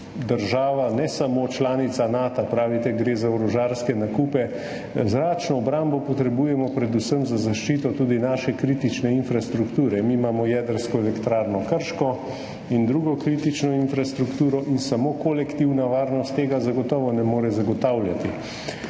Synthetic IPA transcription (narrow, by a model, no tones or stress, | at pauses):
d̪əɾʒaːʋanɛsamoːt͡ʃlaːnit̪sanaːt̪apɾaːʋit̪ɛɡɾeːzaɔɾɔʒaːɾskɛnakuːpɛ | zɾaːt͡ʃnɔːbɾambɔpɔt̪ɾɛbuːjɛmɔpɾɛd̪usəmzazaʃt͡ʃiːt̪ɔt̪uːd̪inaːʃɛkɾiːt̪it͡ʃnɛinfɾast̪ɾukt̪uːɾɛmiːmaːmɔjɛːd̪əɾskɔɛlɛkt̪ɾaːɾnɔkəɾʃkɔ | ind̪ɾuɡɔkɾiːt̪it͡ʃnɔinfɾast̪ɾukt̪uːɾɔʔinsamoːkolɛkt̪iwnaʋaːɾnɔst̪ːeːɡazaɡɔt̪ɔːʋɔnɛmoːɾɛzaɡɔt̪awljat̪i